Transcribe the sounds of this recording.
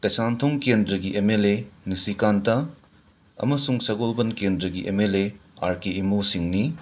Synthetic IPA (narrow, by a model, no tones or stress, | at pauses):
kɐsantʰoŋkendɾɐɡiʔemelenisikantɐ | ɐ̰mɐsuŋsɐɡolbɐnkendɾɐɡiʔemeleaɾkeimosiŋni